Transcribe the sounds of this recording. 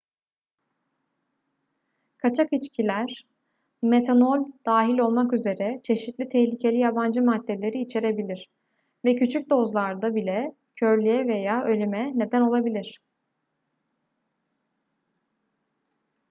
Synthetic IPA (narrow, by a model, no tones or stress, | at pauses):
kʰat͡ʃʰakit͡ʃcʰilʲæɾ̥ | me̞t̪ʰanolʲd̪̥aːɦilʲo̞lˠmakyze̞ɾɛt͡ʃʰe̞ʃit̪lʲit̪ʰɛhlʲicʰe̞lʲijaband͡ʒɯmad̪ːe̞lʲe̞ɾiːt͡ʃʰe̞ɾe̞bilʲiɾ̥ | vɛcʰyt͡ʃʰyc̚d̪o̞zlˠaɾd̪abilʲɛ | cʰø̞ɾlʲyjɛvejaːʔø̞lʲymɛne̞d̪æno̞lˠabilʲiɾ̥